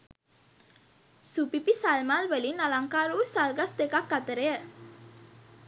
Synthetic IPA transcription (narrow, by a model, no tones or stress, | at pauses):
supipisalmalwəlinalaŋkaɾusalɡast̪ekakːat̪əɾe